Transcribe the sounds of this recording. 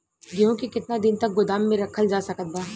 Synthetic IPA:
ɡiõkekɪt̪nad̪ɪnt̪ɐk̚ɡʊd̪aːmːẽɾɐkʰəld͡ʒaːsɐkət̪̚baː

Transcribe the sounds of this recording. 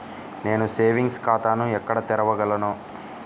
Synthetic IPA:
ne̞ːnuse̞ːʋiŋɡskaːt̪aːnuɛkːɐɽɐt̪iɾɐʋɐɡɐlɐnoː

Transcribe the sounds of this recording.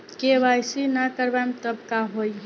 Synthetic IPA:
keʋajsinakəɾbajmt̪əbkaɦoj

